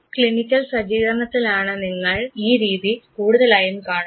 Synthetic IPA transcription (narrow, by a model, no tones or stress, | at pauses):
kɭinikʲːɐlsɐd͡ʑiːɣɐrɳɐt̪ːilaːɳɨniŋːɐɭiːɾiːðikuːɽuðɐlaːjumkaːɳ